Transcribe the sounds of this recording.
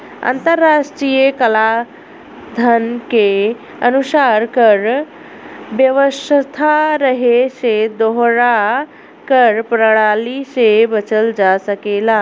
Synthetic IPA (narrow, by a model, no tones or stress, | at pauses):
a̰nt̪əɾːaʂʈɾijəkəla | d̪ʱənke | ənusaɾkəɾ | ʋjəʋəsət̪ʰaɾəɦeʃed̪oɦɾa | kəɾpɾəɽ̃alisebət͡ɕəld͡ʒasəkela